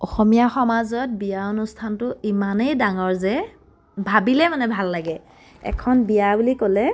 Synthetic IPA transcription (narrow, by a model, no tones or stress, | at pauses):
ɔxɔmijaxɔmazɔt̚bijaonustʰantʊimanejdaŋɔɹzɛ | bʱabilɛmanɛbʱalːaɡɛ | ɛ̰kʰɔnbijabulikolɛ